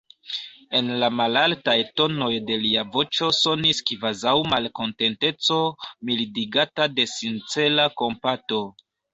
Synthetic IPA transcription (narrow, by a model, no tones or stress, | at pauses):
e̞nlamalaltajto̞no̞jde̞liavo̞t͡ʃo̞so̞niskvazawmalko̞nte̞nte̞t͡so̞milidiɡatade̞sint͡se̞lako̞mpato̞